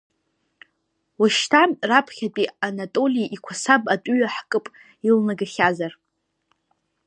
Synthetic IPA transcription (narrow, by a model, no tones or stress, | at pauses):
waʃtʰamrapʰχʲatʼianatʼo̞liʔikʷʰasabatʼɥɥaħkʼɨpʼ | ilnaɡɨχʲazar